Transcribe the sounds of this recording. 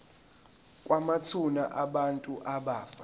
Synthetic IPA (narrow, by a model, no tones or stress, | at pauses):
kʼwamat͡sʰunaʔaɓantʼuʔaɓaːfa